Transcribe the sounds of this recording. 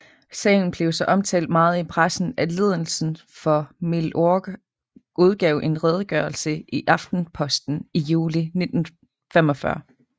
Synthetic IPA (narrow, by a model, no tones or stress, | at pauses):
sɛ̰ɪn̩b̥le̝ʊsɒ̽ʔɒ̽mt͡sʰɛ̰ːld̥̚mɑ̈ːð̞̩ˠipʰʁasn̩æle̝ð̞ˠəl̩sn̩ | fɒ̽melʔoɡ̥ | ʔuð̞ˠɡ̥ɛʊʔe̝nʁɛð̞ˠɡ̥ɶɐlsəʔiʔɑ̈fd̥n̩pʰɒ̽sd̥n̩ijuːline̝d̥n̩ | femɒ̽fɶɐ